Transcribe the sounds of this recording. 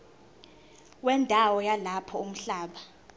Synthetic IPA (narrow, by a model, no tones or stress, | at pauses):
wɛndʱawɔjalapʰɔum̩ɬaːɓa